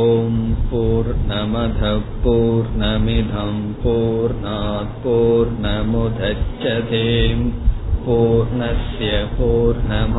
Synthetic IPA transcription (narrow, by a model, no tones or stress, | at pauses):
oːmpuːɾɳɐmɐd̪ʱɐpuːɾnɐmid̪ʱɐmpuːɾɳaːt̪̚puːɾɳɐmud̪ʱɐt͡ʃːɐt̪eːmpuːɾnɐsjɐpuːɾɳɐm